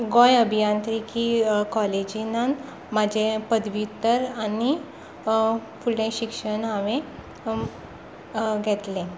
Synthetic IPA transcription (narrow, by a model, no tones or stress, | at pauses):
ɡõjəbʱijant̪ɾikʰiːkɔled͡ʑinan | mad͡ʑʱepəd̪ʋiut̪ːəɾani | fuɽẽɕikʂəɳaʋẽ | ɡʱɛt̪lẽ